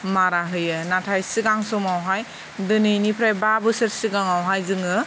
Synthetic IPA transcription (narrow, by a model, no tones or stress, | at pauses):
maɾaɦɯjɯnatʰajsiɡaŋsɔmawɦaj | dɯnɯjnipʰɾajbabɯsɯɾsiɡaŋawɦajzɯŋɯ